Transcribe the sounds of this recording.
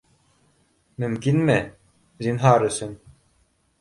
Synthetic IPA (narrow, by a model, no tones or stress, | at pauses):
mymkinmɛ | zinɦaːɾɯsɘn